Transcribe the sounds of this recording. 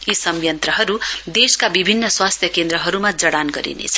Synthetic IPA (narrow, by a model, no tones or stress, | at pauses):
isʌmjʌnt̪rʌɦʌɾud̪eskabibʱinːʌswast̪ʰjʌkend̪ɾʌɦʌɾumad͡zʌɽanɡʌ̰ɾḭnḛt͡sʰʌ̥